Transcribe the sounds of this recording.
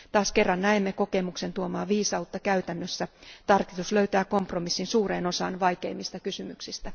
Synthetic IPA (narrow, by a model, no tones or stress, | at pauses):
t̪ɑːskerːɑnnæemːeko̞kemukse̞nt̪uomɑːʋiːsɑut̪ːɑkæyt̪ænːøsːæt̪ɑrki̥t̪usløɥt̪æːko̞mpromisːinsuːreːno̞sɑːnʋɑjkḛimːist̪ɑkysymyksist̪æ